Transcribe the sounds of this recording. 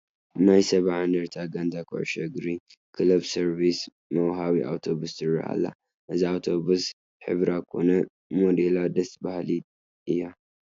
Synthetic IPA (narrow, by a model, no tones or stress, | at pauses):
najsɐβaʕand̪ɐɾt̪ʰaɡand̪akʰo̰ʕʃɐɡɾi | kʰɨlɐbsɐɾbis | mɐwɦaβiʔa̰wt̪ʰo̞βust̪ɨɾːɐ̰ha̰lːa̰ | ʔɨziawt̪ʰo̞βus | ħɨ̰βɾakʰo̞̰nɐ | mod̪elad̪ɐst̪bahli | ʔɨjːa